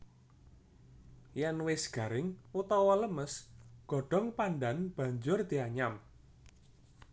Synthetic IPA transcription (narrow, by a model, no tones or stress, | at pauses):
janwɪsɡ̥a̤ɾɪŋut̪ɔwɔləməsɡ̥ɔ̤ɖ̥ɔ̤ŋpanɖanb̥ä̤ɲd͡ʒʊrd̪̥iaɲam